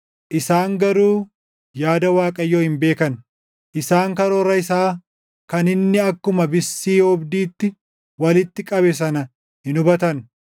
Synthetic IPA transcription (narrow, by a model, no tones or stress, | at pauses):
ʔɪsaːŋɡɐɾuː | jaːd̪ɐwaːkʼɐjːoːhɪmbe̞ːkɐn | ʔɪsaːŋkɐɾoːɾːɐɪsaː | kɐnɪnːɪɐkːʊmɐbɪsːiːɔbd̪iːt̪ːɪ | wɐlɪt̪ːɪkʼɐβɛs̬ɐnɐ | hɪnʊbɐt̪ɐn